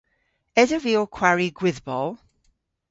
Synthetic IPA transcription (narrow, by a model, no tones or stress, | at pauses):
ɛdəviːlˠkʰw̥aɹiɡwɪðbɔlˠ